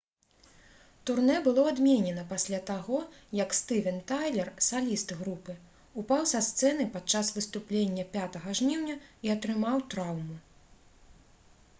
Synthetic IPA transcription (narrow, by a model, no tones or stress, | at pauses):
t̪urnɛbɨlˠɔad̪mʲenʲɛnɐpasʲlʲat̪aɣɔjɐkst̪ɨvʲɛnt̪ajlʲɛrsalʲist̪ɣɾupɨ | upawsɐst̪sɛn̪ɨpat͡ʂasvɨst̪uplʲenʲːɐpʲat̪ɐɣɐʐnʲiwnʲɐiɐt̪ɾɨmawt̪ɾawmu